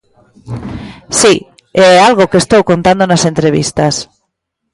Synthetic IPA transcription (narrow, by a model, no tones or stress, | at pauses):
si | ɛalɣokest̪owkont̪and̪onasent̪ɾeβḭst̪as